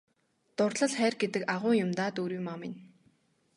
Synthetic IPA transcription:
t̪ʊrɮə̆ɮχæːrɡet̪ɘ̆kaʁʊːjʊmt̪aːt̪oːɾiːmamɪn

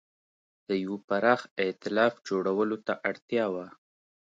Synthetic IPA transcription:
d̪̥əjwpaɾɑxɪt̪ɪlɑfd͡ʒoɽawəlot̪aʔaɽt̪jɑwa

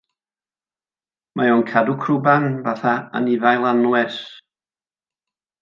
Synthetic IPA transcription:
mʔajɔːnkʰadukʰrʊbanvaθaa̰nɪvajlˠanwɛr

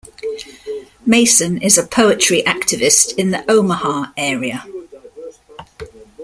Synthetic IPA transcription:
meɪsə̃nɪzəpʰəʊɪt͡ʃɹ̥iʔak̚tʰɪvɪstʰɪ̃nðiʔəʊməhɑːɛːɹiə

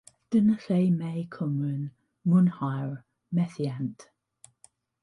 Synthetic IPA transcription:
d̥ənəseɪmeɪkʰʊmɹən | mʊnhaɪɹ | mɛθiant

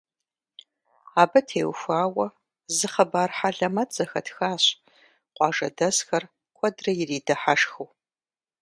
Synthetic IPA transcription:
aːbɐtʰeːwxʷaːwɐ | zɨχɐbaːrħaɮɐmɐtz̥ɐxɐtxaːɕʼ | qʷʼɑːʐɐ̰dɐsxɐr | kʷʰɔdrɐjɪriːdɐħaʂxɨw

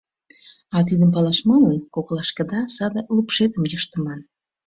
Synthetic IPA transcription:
ɑt̪̬id̪əmpɑlɑʃmɤlənkoklɑʃkə̆d̪ɑsɑd̪ə̆lupʃet̪əmjəʃt̪əmɑn

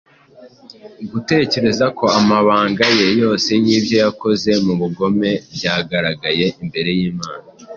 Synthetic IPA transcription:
ɡute̞ce̞ɾe̞zako̞amaβaːŋɡaje̞jo̞ːse̞niːbjo̞jako̞ze̞muβuɡo̞me̞bɟaːɡaɾaɡaje̞ʔimbe̞ɾe̞jiːmaːna

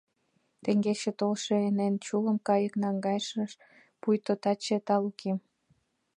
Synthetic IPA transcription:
t̪eŋɡet͡ɕet̪olʃeenent͡ɕuləmkɑjəknɑŋɡɑjʃəʃ | pujt̪ot̪ɑt͡ɕet̪ɑlukʰem

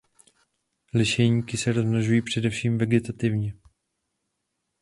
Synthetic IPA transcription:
lɪʃɛɲiːkɪsɛɾoznaʒujiːpr̝̥ɛdɛfʃiːmvɛɡɛt̪at̪ɪvɲɛ

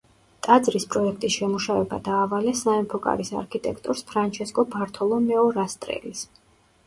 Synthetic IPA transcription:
t̪ʼad̪zɾispʼɾɔɛkʰt̪ʼisʃɛmuʃavɛbad̪aːvalɛsaɛmpʰɔkʼa̰ɾisa̰ɾkʰit̪ʼɛkʰt̪ʼɔɾspʰɾant͡ʃʰɛskʼɔbaɾt̪ʰɔlˠɔmɛɔɾast̪ʼɾɛ̰lis

